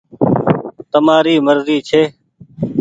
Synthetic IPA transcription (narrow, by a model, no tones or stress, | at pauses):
t̪əmaːɾiːməɾziːt͡ʃʰeː